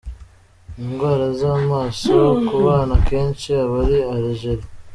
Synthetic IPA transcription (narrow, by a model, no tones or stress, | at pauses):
iŋɡwaːɾazamaːsokuβaːnakeːnsiaβaɾiaɾiʒeɾi